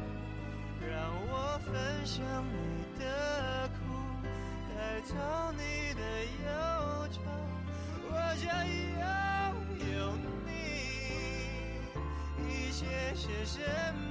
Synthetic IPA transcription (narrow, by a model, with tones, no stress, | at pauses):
ɻɑ˧ŋwɔ˨˩fə˧˥nɕjɑ˧ŋni˨˩t̪ə˦kʰu˥˩ | t͡sa˧˩ɪt͡sɑ˧˥ʊni˨˩d̪ə˩jo˥ʊʈ͡ʂʰɑ˧˩ŋ | wɔ˨˧t͡ɕjɑ˧˥ŋi˧˩a˥˦ | lo˧˩ʊ | ni˥ | i˥˩ɕjɛ˥ʂ̩˧ʂə˧˥n